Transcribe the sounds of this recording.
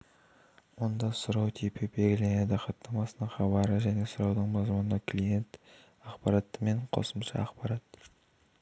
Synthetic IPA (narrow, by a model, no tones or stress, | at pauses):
wond̪ɑsʊɾɑwt̪ʰepʰɪbeɡʲɪlened̪ɪqɑt̪ːɑmɑsənəɴχɑbɑɾəʒæne̞sʊɾɑwd̪əɴmɑzmənd̪ɑkʰlije̞nt̪ | ɑqpɑɾɑt̪ːəme̞ɴqʰo̰səmʃɑ̰ɑqbɑɾɑt̪